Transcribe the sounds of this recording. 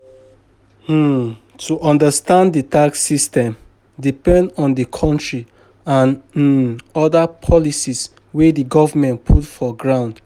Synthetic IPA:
tʰuʔɔ̃ndastãnditaksistɛ̃m | dipɛ̃ndɔ̃ndəkʰɔ̃ntɹi | ãn̩ | ɔdapʰɔlisis | wediɡɔvamɛ̃ntpʰutfɔɡɹãʊ̃nd

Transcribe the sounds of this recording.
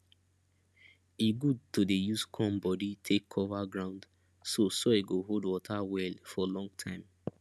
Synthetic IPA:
eɡud̚todejuskʰɔ̃mbɔditʰekʰːɔvaɡɹãʊ̃nd | sosɔeɡoɦodwɔtʰawɛlfɔlɔ̃ŋɡtʰãɪ̃m

